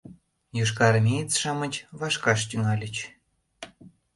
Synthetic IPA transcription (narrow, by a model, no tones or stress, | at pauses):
juʃkɑɾmʲejt͡sʃɑmət͡ɕβɑʃkɑʃ̬t̪ʲyŋɑlʲə̆t͡ɕ